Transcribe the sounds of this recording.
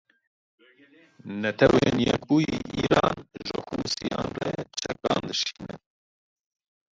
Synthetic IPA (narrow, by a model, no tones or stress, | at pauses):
nɛt̪ʰɛweːnjɛk̚buːjiːʔiːɾɑːnʒɨhuːsijɑːnrɛt͡ʃʰɛk̚ɑːnd̪ɨʃi̥ːnɛ